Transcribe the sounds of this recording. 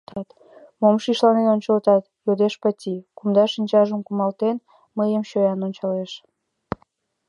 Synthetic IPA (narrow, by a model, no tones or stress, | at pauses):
t̪ɑt̪ | momʃiʃlɑnenonʲt͡ɕəlt̪ɑt̪jod̪eʃpət̪ʲikumd̪ɑʃinʲt͡ɕɑʒəmkumɑlt̪en | məjəmɕøjɑnonʲt͡ɕɑleʃ